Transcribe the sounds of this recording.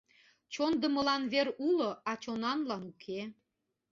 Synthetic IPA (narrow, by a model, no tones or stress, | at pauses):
t͡ɕond̪ə̆mə̆lɑnβeɾuloɑt͡ɕonɑnlɑnukʰe